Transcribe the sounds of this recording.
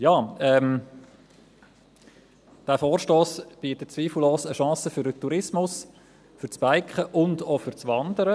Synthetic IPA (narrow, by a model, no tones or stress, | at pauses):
jɑːɛm | d̥æːfoːrʃtoːsb̥iːtət̚t͡sviːfl̩loːsəʃɑ̃ːsəfʏɾətuɾɪsmʊs | fʏɾt͡sb̥aɪkχəʔʊndofʏɾt͡sʋɑnd̪əɾə